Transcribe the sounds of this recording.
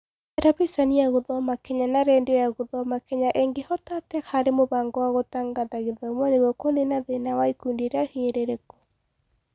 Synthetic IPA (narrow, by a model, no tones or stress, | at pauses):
ɛɾaβisaniaɣoðɔmakɛɲanaɾɛndɔjaɣoðɔmakɛɲaʔeŋɡehɔtatɛhaɾemoβaːŋɡɔwaɣotaŋɡadaɣeðaomɔneɣwɔkwɔnenaðenawaikundieɾeahiɾeɾekɔ̥